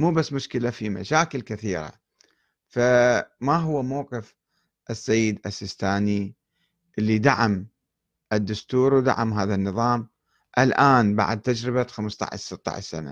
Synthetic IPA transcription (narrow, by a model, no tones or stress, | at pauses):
muːbasːmʊʃkɪlafima̰ʃaːkɪlkɪθiːɾa̰ | famaɦʊwːamawqɪf | ʔɪsːajːɪd̪ʔasːɪst̪aːni | ʔɪlːid̪aʕam | ʔɪd̪ːʊst̪uːɾwd̪a̰ʕamɦaːðanːɨðˤɑːm | ʔalʔaːnba̰ʕd̪̚t̪ːad͡ʒɾɪbaxamst̪ˤɑ̰ʕ̰ʃsɨt̪ˤːɑ̰ʕ̰ʃsana̰